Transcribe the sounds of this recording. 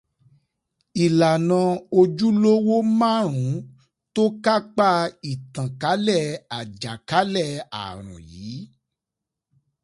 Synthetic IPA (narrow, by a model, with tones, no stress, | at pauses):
i˨la˨nã˧o˧d͡ʒu˦lo˦wo˦mãː˦˨ɾ̃ũ˨˦ | to˦ka˦k͡pa˦i˨tã˨ka˨˦lɛ˦˨a˨d͡ʒa˨ka˨˦lɛ˦˨a̰˨ɾ̃ṵ̃˨jiː˨˦